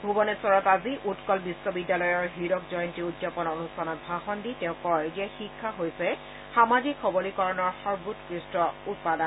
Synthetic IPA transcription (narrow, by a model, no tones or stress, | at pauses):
bʱubɔnɛsɔɹɔtaziʔutkɔlbisːɔbidjalɔjɔɹɦiɾɔkzɔjɔntiudzapɔnonustʰanɔt̚bʱaxɔnditɛʊ̃kɔɹziɛxikʰːaɦojsɛ | xamaɡikʰxɔbɔlikɔɹɔnɔɹxɔɹbutkɹistɹɔut̚padan